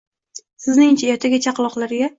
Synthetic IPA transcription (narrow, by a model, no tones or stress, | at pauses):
sɪznɪŋt͡ʃʰajɒt̪ʰaɡʲat͡ʃʰaqlˠɒqlˠaɾɪɡʲa